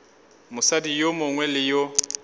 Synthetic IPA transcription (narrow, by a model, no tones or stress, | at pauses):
mʊsadijomʊŋwɛlɪjo